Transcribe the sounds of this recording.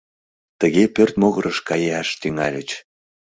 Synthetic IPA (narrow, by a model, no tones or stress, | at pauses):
t̪əɣepørt̪moɣəɾʔəʃkɑjeɑʃt̪yŋɑ̰lʲət͡ɕ